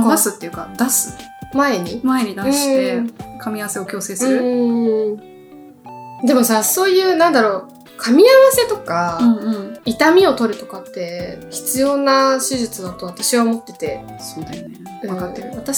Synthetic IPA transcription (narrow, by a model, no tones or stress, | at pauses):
asɨt̪ːe̞jiɯ̟ka̰d̪asɨ̥mae̞ɲ̟imaeɲid̪aɯ̟̃ekʰamʲiaβase̞okʲo̞ːse̞ːsɨɯɾɯ | d̪e̞mo̞saso̞ːjɯ̟ːnãnd̪aɾo̞ː | kʰamʲiaβase̞t̪o̞kaɯ̃ɴɯ̃ɴit̪amʲio̞t̪o̞ɾɯ̟t̪o̞kat̪ːe̞çi̥t͡sɨjo̞ːnaɕiʑɨt͡sɨd̪at̪o̞β̞at̪aɕiβaomo̞t̪ːe̞t̪e̞ | sod̪aine | ɯ̃akat̪ːeɾɯ̟βat̪a